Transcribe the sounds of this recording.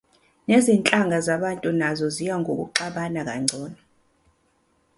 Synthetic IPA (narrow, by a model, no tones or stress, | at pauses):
nezint͡ɬʼaŋʱazaɓantʼunazɔzijaŋʱok̬ṵǃaɓanak̬aŋ͡ǀʱɔːna